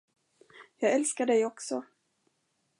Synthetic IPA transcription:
jɑːɡɛlskaɖɛjɔksɔ

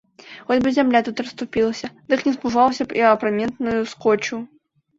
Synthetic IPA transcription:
xɔdʲbɨzʲamlʲat̪ut̪rɐst̪upʲilˠɐsʲɐd̪ɨknʲɛspuʐawsʲɐpɛɐpɾamʲɛnt̪nʊjuskɔt͡ɕu

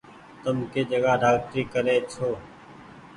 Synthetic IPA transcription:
t̪ʊmkeːd͡ʒəɡaːɖaːk̚ʈɾiːkəɾeːt͡ʃʰoː

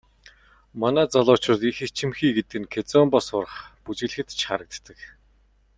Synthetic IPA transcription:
manæːt͡sɔɮʊːt͡ɕrʊ̆t̪ixet͡ɕʰĭmxiːɡet̪̚ɘɡɘ̆ŋkʰet͡sɔːmpɔsʊɾə̆χput͡ɕɪ̆ɮɘ̆xɘ̆t̪t͡ɕʰχaɾə̆k̚t̪ːə̆k

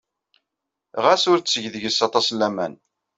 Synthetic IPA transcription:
ʁæsʊɾt͡sːəʝðəʝəsɑt̪ˤɑslːæmæ̰n

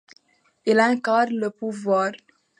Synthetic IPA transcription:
ilɑ̃kad̪ɾləpuvwaːɾ

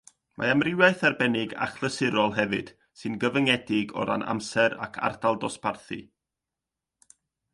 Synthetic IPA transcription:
mʔa̰amrɪwaɨθarbɛnɪɡa̰χlˠəsɪɾɔlˠɦɛvɨd̥ | sɨnɡəvəŋɛdɪɡɔ̰ɾa̰na̰msɛɾa̰kʰa̰rdalˠdɔsparθḭ

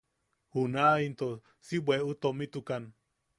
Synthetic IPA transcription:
hunaint̪o | sibweut̪omit̪ukan

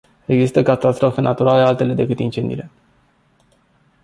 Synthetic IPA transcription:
e̞ɡzist̪əkat̪ast̪ɾo̞fe̞nʔat̪uɾale̞alt̪e̞le̞d̪e̞kɨt̪int͡ʃend̪ḭle̞

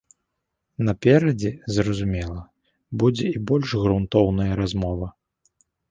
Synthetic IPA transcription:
nɐpʲɛɾɐd͡zʲɛzɾɐzumʲɛlˠɐ | bud͡zʲɛibɔlʲʂɣɾunt̪ɔwnɐjɐɾazmɔvɐ

